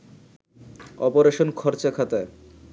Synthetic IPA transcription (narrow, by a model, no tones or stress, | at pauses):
ɔpoɾeʃonkʰɔɾt͡ɕakʰat̪ae